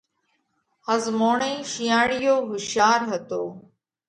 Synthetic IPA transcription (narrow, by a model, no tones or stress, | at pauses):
həzmoːɳẽːʃijaːɽɪjoːɦʊʃjaːɾɦət̪oː